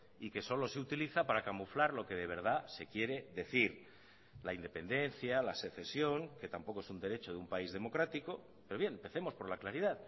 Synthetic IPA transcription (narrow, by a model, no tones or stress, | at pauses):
ike̞so̞lo̞seut̪iliθapaɾakamuflaɾlo̞ke̞ð̞e̞βe̞ɾð̞ase̞kje̞ɾe̞ðe̞θiɾ | laind̪e̞pe̞nd̪e̞n̟θjalase̞θe̞sjo̞ŋket̪ampo̞koe̞sund̪e̞ɾe̞t͡ʃo̞ðeumpaizðe̞mo̞kɾat̪iko̞ | peɾo̞βje̞npe̞θe̞mo̞spo̞ɾlaklaɾiðað